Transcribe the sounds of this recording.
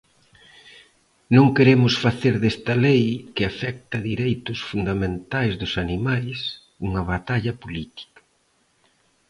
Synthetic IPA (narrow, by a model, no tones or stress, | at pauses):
nõŋkeɾemʊsfaθeɾðest̪ɐlejkɪafɛk̚t̪ɐðiɾejt̪ʊsfund̪amẽnt̪ajzðʊsanimajs | uŋɐβat̪aʎɐpolit̪i̥kɐ̥